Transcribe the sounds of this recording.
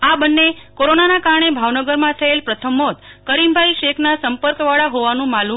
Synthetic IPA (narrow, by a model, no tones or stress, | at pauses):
abənːekoɾonanakaɾɳ̃ebʱaʋnəɡəɾmãt̪ʰəelpɾət̪ʰəmːot̪kəɾimbʱaiʃekʰnasəmpəɾkʋaɭaɦoʋanũmalu